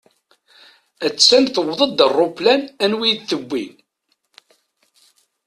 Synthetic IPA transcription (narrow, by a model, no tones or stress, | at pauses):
æt͡sːsænθəwðˤəd̪ərˤːoplænænwijðθəbʷːin